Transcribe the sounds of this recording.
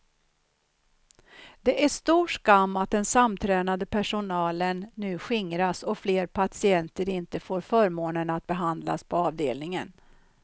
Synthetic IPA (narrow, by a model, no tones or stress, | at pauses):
d̪ɛʔæʂt̪uːʂkamːat̪̚d̪ɛnsamt̪ʰɾɛːnad̪əpʰæʂʊnɑːlənːʉ̟ːɧɪŋɾasɔfleːɾpʰasɪɛnt̪əɾɪnt̪əfoːɾfœːɾmoːnənat̪̚bɛɦand̪la̰spʰɔɑːvd̪eːlnɪŋən